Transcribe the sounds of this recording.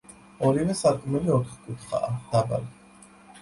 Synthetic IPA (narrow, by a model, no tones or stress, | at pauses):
ɔɾivɛsaɾkʼmɛliɔt̪ʰχkʼut̪χa̰ːd̪̥aba̰li